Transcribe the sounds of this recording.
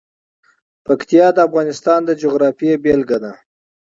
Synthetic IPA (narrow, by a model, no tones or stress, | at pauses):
pakt̪ijɑd̪əafɣɑnɪst̪ɑnd̪əd͡ʒoɣɾɑfijebelɡad̪a